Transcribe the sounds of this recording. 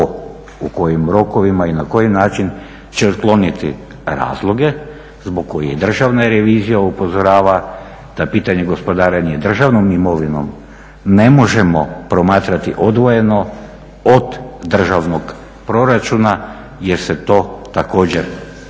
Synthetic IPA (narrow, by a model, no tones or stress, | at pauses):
uko̞jimɾo̞ko̞ʋimainako̞jinaːt͡ʃin | t͡ɕe̞ot̪klˠo̞nit̪ḭ | ɾa̰ːzlˠoɡe̞ | zbo̞ɡkːo̞jid̪r̩ʒaʋnaɾe̞ʋiːzijaupo̞zo̞ɾaːʋa | d̪̥apiːt̪aɲe̞ɡo̞spo̞d̪aːɾenied̪r̩ʒaʋnomimo̞ʋino̞̰m | ne̞mo̞ʒe̞mo̞pɾo̞maːt̪ɾat̪iʔod̪ʋo̞je̞no̞ | od̪ːr̩ʒaʋno̞ɡ | pɾo̞ɾat͡ʃuna | jeɾset̪o̞ːt̪ako̞ːd͡ʑeɾ